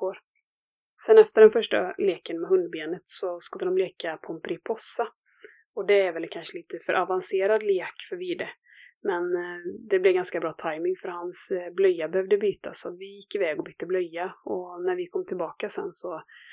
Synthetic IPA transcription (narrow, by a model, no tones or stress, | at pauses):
oːɾ | sɛnɛft̪əɖɛnfœʂʈa̰leːkənmɛɦɵnd̪̚beːnət̪sɔskɵlːəd̪ɔmleːkapʰɔɛnpʰɾɪpʰɔsːa | ɔd̪ɛæɾvɛlkʰanʂəliːt̪əfœɾʔavanseːɾad̪liːakːfœɾviːd̪ɛ | mɛnd̪ɛblɛɡanskabɾɑːt̪ʰajmɪŋfœɾhansblœjːabɛhœvd̪əbyːt̪ʰasɔvɪjɪkːɪvɛːɡɔbyːt̪ːəblœjːaɔnæɾvɪkʰɔmːt̪ʰɪlbɑːkasɛ̰nːsɔ